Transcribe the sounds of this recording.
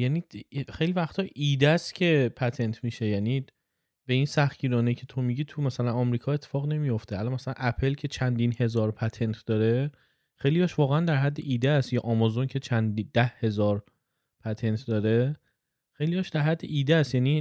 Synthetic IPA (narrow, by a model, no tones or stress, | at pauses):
jæːnixe̞jlivæxt̪ʰɒːʔiːd̪æst̪cʰe̞pʰæt̪ʰe̞nt̪ʰmiːʃe̞jæːni | be̞insæxɟiːɾɒːnecʰe̞t̪ʰomiɟiːt̪ʰumæsælænɒmɾiːkʰɒːe̞t̪ʰːefɒːɣne̞mijo̞ft̪ʰeælɒnmæsælæ̰nʔæpʰe̞lcʰe̞t͡ʃʰænd̪inhe̞zɒːɾpʰæt̪ʰe̞nt̪ʰd̪ɒːɾe̞ | xe̞jlijɒːʃvɒːɣeænd̪æɾɦæd̪ːeʔiːd̪eæst̪jɒːʔɒmɒzoncʰe̞t͡ʃʰænd̪id̪̥æhhe̞zɒːɾ | pʰæt̪ʰe̞nt̪ʰd̪ɒːɾe̞ | xe̞jlijɒʃd̪æɾɦhæd̪ːḛʔiːd̪eæst̪jæːniː